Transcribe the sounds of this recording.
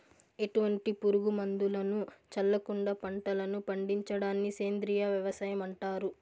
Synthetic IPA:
e̞ʈuʋɐɳʈipuɾuɡumɐnd̪ulɐnut͡ʃɐlːɐkuɳɖɐpɐɳʈɐlɐnupɐɳɖiɲt͡ʃɐɽaːnːiseːnd̪ɾijaʋjɐʋɐsɐːjɐmɐɳʈaːɾu

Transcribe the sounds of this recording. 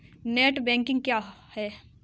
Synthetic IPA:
neːʈbɛ̃ːŋkɪ̃ŋɡ̚kjaːhɛː

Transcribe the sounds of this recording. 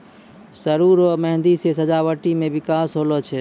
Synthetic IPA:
səɾuːɾoməɦnd̪isesəd͡ʒaʋəʈimẽʋɪkaːsɦoːlot͡ʃʰɛ

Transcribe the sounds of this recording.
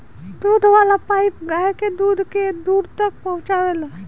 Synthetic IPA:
d̪ud̪ʱʋalapaipɡajked̪ud̪ʱked̪uɾt̪ək̚pəɦũt͡ʃaʋela

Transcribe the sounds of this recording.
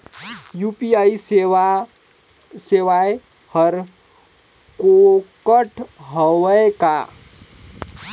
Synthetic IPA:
juːpiai | seʋae | həɾ | kokəʈʰɦəʋəeka

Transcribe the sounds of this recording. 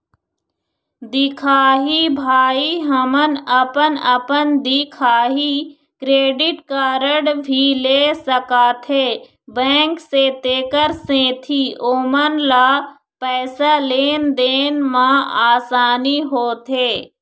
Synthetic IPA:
d̪ɪkʰaːɦibʱaːiɦəmənəpənəpənd̪ɪkʰaːɦi | kɾeːɖɪʈkaːɾəɽbʱileːsəkaːt̪ʰeː | bɛ̃ːŋkset̪eːkəɾsẽːt̪ʰioːmənlaː | pɛːsaleːnd̪eːnmãaːsaːniɦoːt̪ʰeː

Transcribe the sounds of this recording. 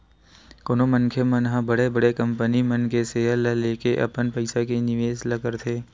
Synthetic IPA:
koːnomɐnkʰemənɦãbɐɽebɐɽekɐ̃mpənimənkeseːəlaleːkeʔɐ̰pənpɐɪsakenɪʋeːzlɐɡəɾt̪ʰeː

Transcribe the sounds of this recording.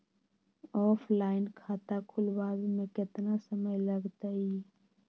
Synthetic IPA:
ɔːpʰlaːɪnkʰaːt̪akʰʊlbaːzmẽkɪt̪nasəməjləɡt̪ai

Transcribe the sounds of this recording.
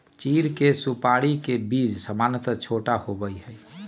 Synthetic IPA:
t͡ʃiɾkesupaɽikebid͡ʒsəmanət̪ət͡ʃʰoʈahobəjɦəj

